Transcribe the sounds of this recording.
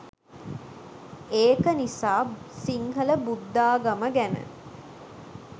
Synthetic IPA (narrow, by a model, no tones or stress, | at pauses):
eːkənisaːsiŋɦələbud̪ːaːɡaməɡænə̰